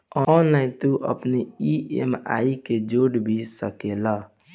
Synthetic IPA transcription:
ɔnat̪uʔə̰pneiḛma̰iked͡ʒoɽbʱisəkelə

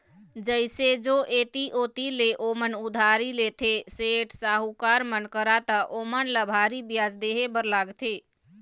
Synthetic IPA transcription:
d͡ʒəɪsed͡ʒoʔeːt̪iʔoːt̪ileʔomənud̪ʱaɾilet̪ʰeseʈʰsaɦukaɾmənkəɾat̪əʔomənləbʱaɾibjad͡ʒd̪eɦebəɾlaːɡt̪ʰe

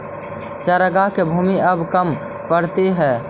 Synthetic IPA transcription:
t͡ʃəɾəɡakebʱuːmiəbkəm | pəɽt̪eɦɛː

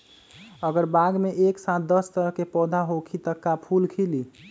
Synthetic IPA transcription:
əɡəɾbaɡmeʔeksãt̪̚ʰd̪əst̪əɾəɦkepɔd̪ʱaɦokʰit̪əkːapʰulkʰili

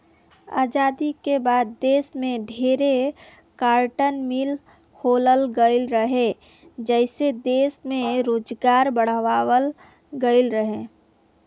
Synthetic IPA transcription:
a̰ːd͡ʒaːd̪ikebaːd̪̚ːeːsmẽɖʱeːɾe | kaːɾʈənmil | kʰoːləlɡəɪlɾəɦe | d͡ʒɛɪsed̪eːsmẽɾoːd͡ʒɡaːɾbəɽ̤ʋaːwəl | ɡəɪlɾəɦẽː

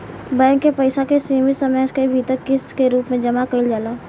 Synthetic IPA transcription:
bɛ̃ːŋkːepəɪsakesiːmɪsəməjskebʱit̪əkːɪskeɾuːpmẽd͡ʒɐmakɐɪld͡ʒaːlaː

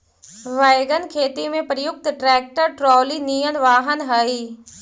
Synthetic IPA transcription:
ʋaːjɡənkʰeːt̪imẽpɾjʊk̚t̪ʈɾɛːk̚ʈəɾʈɾɔːliniːjənʋaːɦənɦɐiː

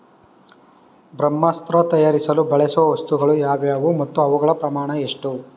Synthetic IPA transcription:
bɾɐmːɐst̪ɾɐt̪ɐjaːɾisɐlubɐɭesuʋɐʋɐst̪uɡɐɭujaːʋjaːʋumɐt̪ːuɐʋuɡɐɭɐpɾɐmaːɳɐeʂʈu

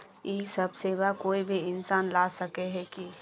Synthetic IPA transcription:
isɐbseːʋakoːibʱiɪnsaːnlaːsɐkeɦɛki

